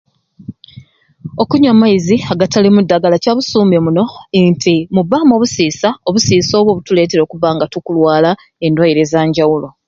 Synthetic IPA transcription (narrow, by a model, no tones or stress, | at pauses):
o̞kuɲamaiziaɡatalimudːaɡalacaβusuːmemuno̞ntʰimuβaːmo̞βusiːsao̞βusiːso̞ːβwo̞βutule̞ːt̬e̞ɾo̞ːkuβaŋɡatukulwaːla | e̞ndwajiɾe̞zaːɲɟawulo̞